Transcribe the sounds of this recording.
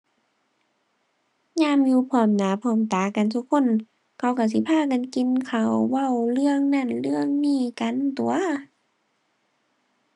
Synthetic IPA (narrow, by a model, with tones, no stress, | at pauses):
ɲaː˧˥˨mjuː˧pʰɔː˧˩mnaː˨˦pʰɔː˧˩mt̪aː˨˦ka˨nt̪ʰu˧˦kʰːo˧˥˨n | kʰa˧˦wka˧˩si˧˦pʰaː˧˥˨ka˨nki˨nkʰa˧˩wːa˧˩˨wlɯ˧˥˨əŋna˧˥˨nlɯ˥˩əŋniː˧˩ka˧˨nt̪u˨˧ɐ